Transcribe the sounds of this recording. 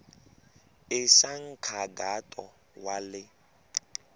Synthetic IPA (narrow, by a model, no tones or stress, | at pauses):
ɪʃaŋ̩kʰaɡatʼɔ | walɪ